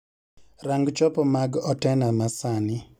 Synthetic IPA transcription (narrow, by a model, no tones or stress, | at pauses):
raŋɡt͡ʃɔpɔmaɡɔtɛnamasanɪ